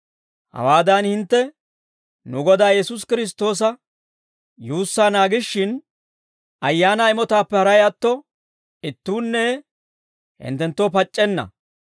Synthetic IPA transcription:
hɐ̰waːd̪ɐnhɪnt̪ːɛ | nʊɡɔd̪aːjɛsʊs̬kɪɾɪs̬t̪ːo̞ːs̬ɐ | juːsːaːnaːɡɪʃːɪn | ɐjːaːnɐɪmɔt̪aːpːɛhɐɾɐjɐt̪ːɔ | ɪt̪ːuːnːɛ | hɪ̰nt̪ːɛnt̪ːoːpɐt͡ʃʼːɛnːɐ̰

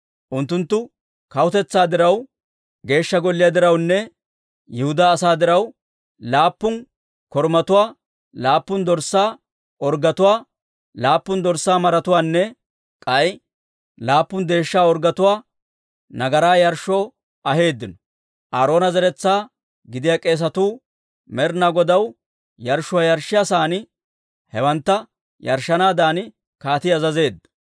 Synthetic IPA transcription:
ʔʊnt̪ːʊnt̪ːʊ | kɐwʊt̪ɛt͡sːaːd̪ɪɾɐw | ɡe̞ːʃːɐɡɔlːɪjɐd̪ɪɾɐwnːɛ | jɪhʊd̪aːsaːd̪ɪɾɐw | laːpːʊn | kɔɾmɐt̪ʊwaː | laːpːʊnd̪ɔɾsːaː | ɔɾɡɐt̪ʊwaː | laːpːʊnd̪ɔɾsːaːmɐɾɐt̪ʊwaːnːɛ | kʼɐj | laːpːʊnd̪e̞ːʃːaːɔɾɡɐt̪ʊwaː | nɐɡɐɾaːjɐɾʃːɔː | ɐɦe̞ːd̪ːɪnɔ | ʔaːɾo̞ːnɐzɛɾɛt͡sːaː | ɡɪd̪ɪjɐkʼe̞ːs̬ɐt̪uː | mɛɾnaɡɔd̪ɐw | jɐɾʃɔwɐjɐɾʃːɪjasaːn | hɛwɐnt̪ːɐ | jɐɾʃːɐnaːd̪aːn | kaːt̪ɪɐzɐze̞ːd̪ːɐ̥

